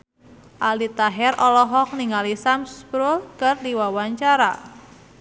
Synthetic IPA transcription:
ʔalit̪aɦɛɾʔɔlɔɦɔk̚niŋalisamspɾulkɨrdiwawaɲt͡ʃaɾa

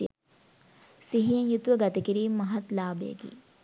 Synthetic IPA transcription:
siɦijɐ̃jut̪ʋɐɡɐt̪ikiɾimɐɦɐt̪laːbḛːɡḭ

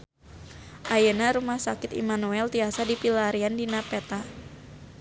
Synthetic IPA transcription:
ʔajənaɾumahsakɪt̪ḭmanuɛlt̪iasadipilaɾiandinapɛt̪a

